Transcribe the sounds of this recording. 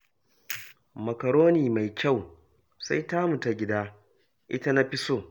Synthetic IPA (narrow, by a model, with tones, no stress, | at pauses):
mɐ˨kɐ˨ɽoː˦niː˨ma˨jkʲa˦˨w | sa˦jtaː˦mu˨ta˨ɡʲɪ˦daː˦ | ʔɪ̰˦ta˦na˦ɸɪ˦soː˦